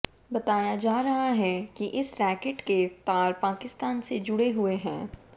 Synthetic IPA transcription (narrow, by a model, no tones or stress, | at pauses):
bɐt̪aːjad͡ʒaːɾɐɦaɦɛkiʔɪsɾɛːkeʈket̪aːɾpaːkɪst̪aːnsed͡ʒʊɽeɦʊeɦɛ̃ː